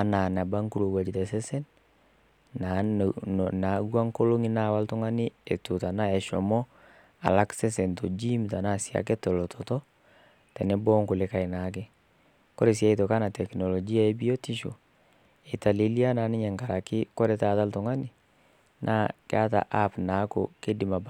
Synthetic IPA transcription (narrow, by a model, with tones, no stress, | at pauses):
a˨na˨na˨ba˦ŋku˦ɾo˨wa˨d͡ʒi˨tɛ˨sɛ˦sɛ˦n | na˨ | na˨ɡwa˦ŋko˦lo˦ŋi˦na˦˨wa˦lto˦ŋa˦ni˦e˨tu˨ta˨na˦ɛ˨ʃɔ˨mɔ˦ | a̰˨la˦ksɛ˦sɛ˨nto˨d͡ʒi˦mta˨na˦˨sja̰˨k̬ɛ˦tɔ˨lɔ˨tʰɔtɔ˦ | tɛ˨nɛ˦bɔː˦ŋko˨le˦ka˨i˨na˨˦k̬ɛ˦ | kɔ˦ɾe˨s̬ja˦i˦to˨ka˦na˨tɛ˨knɔ˨lɔ˨d͡ʒi˦a˦e˦bi˦o˦ti˦ʃo̰˨ | e˨ta˨le˨˦li˦a˦na˨˦ni˦ɲɛ˨ŋka˨ɾa˨kɪ˦kɔ˦ɾɛ˦ta˨ta˦ltɔ˨ŋa˦ni˨ | nʔa̰˦ke˦a˦ta̰˨ʔa˦pna˨˦ko̰˨ke˦di˨ma˨b